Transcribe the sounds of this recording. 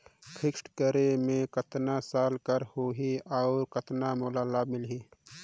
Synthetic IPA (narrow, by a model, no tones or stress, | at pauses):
kʰɪksʈkəɾemẽkət̪nasaːlkəɾhoːɦiaːɾkət̪namoːlaːlaːbmɪlɦiː